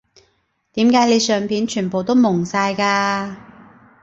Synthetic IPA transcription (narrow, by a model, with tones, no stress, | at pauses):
t̪iː˨˥mkaː˨˥jle˨˧jsœː˨ŋpʰiː˨˥nt͡ʃʰyː˨˩npo˨wt̪o˥wmʊ˨˩ŋsaː˧jkaː˧